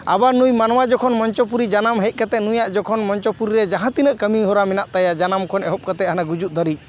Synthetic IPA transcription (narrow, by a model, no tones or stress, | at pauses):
a̰banujmanwad͡ʒɔkʰɔnmɔɲt͡ʃɔp̬uɾid͡ʒanamɦɛc̪̚ˀkat̪ɛnujaʔd͡ʒɔkʰɔnmɔɲt͡ʃɔpuɾiɾɛd͡ʒaɦãt̪inəʔkəmiɦɔɾaminaʔt̪ajad͡ʒanamkʰɔnɛɦɔp̚kat̪ɛʔhanaɡud͡ʒuʔ̚d̪ɔɾi